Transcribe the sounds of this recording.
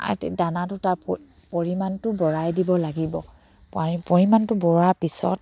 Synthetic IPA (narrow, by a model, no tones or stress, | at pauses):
a̰tḛdanatʊtaɹp | poɹimantʊbɔɹajdibɔlaɡibɔ | paipɔɹimantʊbɔɹapisɔ̰t̚